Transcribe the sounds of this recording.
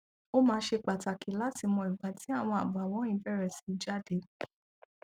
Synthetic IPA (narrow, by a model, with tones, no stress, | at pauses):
o˦mãː˧˦ʃe˧k͡pa˨ta˨ki˨˦la˦ti˧mɔ̃˧i˨ɡ͡ba˨ti˨˦a˦˨w̃ɔ̃˧a˨ba˨w̃ɔ̃˨˦ĩ˦˨˦bɛ˦˨ɾɛ˨si̥˨˦d͡ʒa˦˨de˨˦